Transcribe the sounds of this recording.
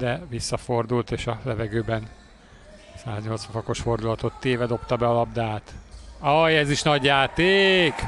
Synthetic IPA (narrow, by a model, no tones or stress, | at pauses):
d̪ɛvisːɒfo̞rd̪ult̪eːʃɒlɛvɛɡøːbɛn | saːzɲo̞ltsfɒfɒko̞ʃfo̞rd̪ulɒt̪o̞t̪ːeːvɛd̪o̞pt̪ɒbɛɒlɒb̚d̪aːt̪ɒjɛziʃnɒɟjaːt̪eːk